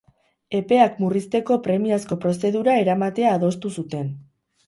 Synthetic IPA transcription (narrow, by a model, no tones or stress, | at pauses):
e̞pe̞akmurist̪e̞ko̞pɾe̞miasko̞pɾo̞se̞ðuɾae̞ɾamat̪e̞aːðo̞st̪usut̪e̞n